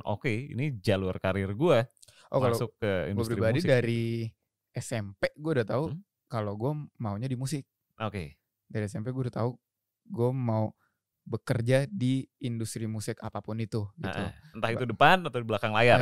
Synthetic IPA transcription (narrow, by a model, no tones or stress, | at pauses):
ʔo̰keḭnid͡ʒalurkaɾɪrɡua | ʔokalaʊkːəḭnɡubəɾɾibadidaɾi | ɛsɛmpeɡuaudat̪au | kaloɡuamauɲadimusɪk̚ | ʔoke | daɾiɛsɛmpɛɡuaudat̪au | ɡuamau | bəkərd͡ʒadiːndust̪ɾimusɪka̰papʊnit̪uɡḭtʔ̪ṵənt̪ahitt̪udəpanat̪awdiblakaŋlaja